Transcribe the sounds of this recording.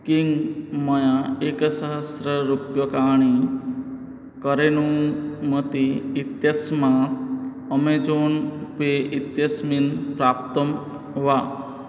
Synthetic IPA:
kiŋɡməjaeksəɦəsɾəɾupjɔkaɽ̃i | kəɾenumət̪iːt̪jəsma | əmed͡zonpeʔit̪jəsminpɾapt̪əm | ʋa

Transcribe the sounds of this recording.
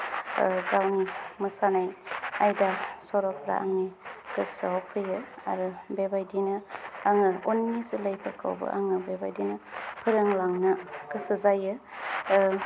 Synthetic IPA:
ɡawnimɯsanajajdasɔɾɔpʰɾa̰ʔa̰ŋnikɯsɯawkʰɯjɯa̰ɾɯbebajdinɯaŋɯonnisɯləjpʰakʰa̰wbɯ̰ʔa̰ŋɯbeba̰jdinɯpʰɯɾɯŋlaŋnɯkɯsɯzajɯ

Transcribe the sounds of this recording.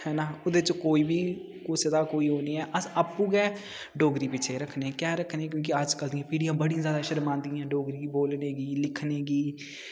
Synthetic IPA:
hɛːnaːʊd̪et͡ʃkoːiːbʱiː | kosɪd̪aːkoːiːɦoːniːɛːʔəsaːpːuːɡɛː | ɖoːɡɾiːpɪt͡ʃʰeːɾəkʰnekjaːɾəkʰneɛːk̬jõːk̬iəd͡ʒkəld̪ijãːpiːɽijãːbəɽĩãzjaːd̪aːʃəɾmãːnd̪iãːɖoːɡɾiːboːlneːɡiːlɪkʰneːɡiː

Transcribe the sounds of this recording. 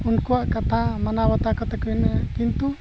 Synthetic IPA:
unkuwaʔkat̪ʰamanabat̪akɔt̪ɛkɔinɛaʔkint̪u

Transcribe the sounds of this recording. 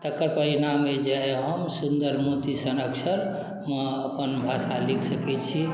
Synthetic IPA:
t̪əkːəɾpəɾinamːed͡ʒaeɦəmsund̪əɾmot̪isənəksəɾ | məəpənbʱasalikʰsəkɛt͡ʃʰi

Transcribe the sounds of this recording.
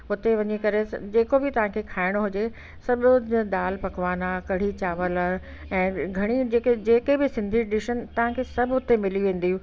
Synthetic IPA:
ʊt̪eʋɐɲikɐɾḛd͡ʑeːkobɪt̪ɐʋ̤ãkʰekʰaːɪɽ̃ɦʊd͡ʑe | sɐbd̪aːlpɐkʋaːnakɐɽ̤it͡ɕaːʋəl | ɛ̃ːɡʱɐɽ̃id͡ʑeːked͡ʑeːkebɪsɪ̃nd̪ʱiɖɪʃənɪ̆t̪ɐʋ̤ãkʰeːsɐbʱʊt̪emɪliʋẽːn̆d̪iɦũː

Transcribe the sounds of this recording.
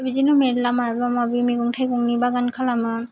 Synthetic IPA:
bid͡ʒinumeɾlamabamabimiɡuŋtʰajkɔŋnibaɡankʰalamɯ

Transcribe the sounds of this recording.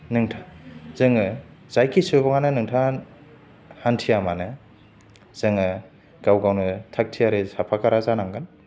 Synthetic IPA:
nɯŋtʰaz̥ɯŋɯz̥ajkisɯbɔŋanɯnɯŋtʰan | hantʰijamanɯ | z̥ɯŋɯ | ɡ̥awɡawnɯtʰak̚tʰijaɾɯsapʰakʰaɾazanaŋɡan

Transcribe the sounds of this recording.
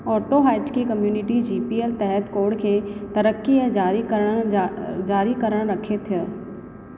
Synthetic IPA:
ɔːʈoɦaːɪʈkikɐmjuːnɪʈid͡ʑiːpiːelt̪ɛɦət̪koːɾɽkʰeːt̪ɐɾəkːiəd͡ʒaːɾikəɾə̃ | d͡ʒaːɾikɐɾəɽ̃ɾɐkʰet̪ʰɪjə

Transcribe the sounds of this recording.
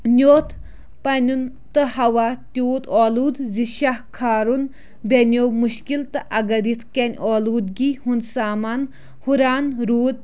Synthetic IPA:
nʲoːt̪ʰ | pɐnʲun | t̪ɨɦɐwaːt̪ʲoːt̪ɔːluːd̪ziʃahkʰaːɾun | bʲenʲoːmuʃkilt̪ɨʔɐɡɐɾit̪ʰkɐnʲɔːluːd̪ɡihunsaːmaːn | huɾaːnɾuːd̪̚

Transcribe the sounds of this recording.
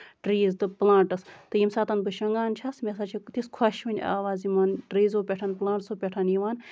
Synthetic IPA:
ɖɾiːzd̪ɨplãːɳʈɐst̪ɨjimsat̪ɐnbɨʃɐŋɡaːnt͡ʃʰasmʲesat͡ʃʰit̪iskʰwɐʃʋɨnʲa̰ːʋaːzimaːnɖɾiːzoːpʲeʈʰanplaːɳʈsoːpʲeʈʰɐniʋaːn

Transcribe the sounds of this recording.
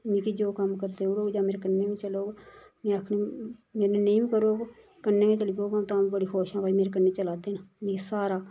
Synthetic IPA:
mĩːkid͡ʒoːkəmkəɾd̪eʊɽoːɡd͡ʒaːmeːɾekənːeːmẽːt͡ʃəloːɡ | mẽːəkʰniːmeːɾneneiːmikəɾoːɡ | kənːeːmẽːt͡ʃəlikoːɡãːt̪ãːmbəɽiːxoːʃãːbaːimeːɾekənːeːt͡ʃəlaːd̪eːnanĩkisaːɾaː

